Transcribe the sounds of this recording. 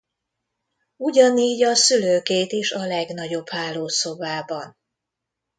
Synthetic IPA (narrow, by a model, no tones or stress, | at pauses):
uɟɒniːɟɒsyløːkeːt̪eːʃɒlɛɡnɒɟo̞b̥haːlːoːso̞baːbɒn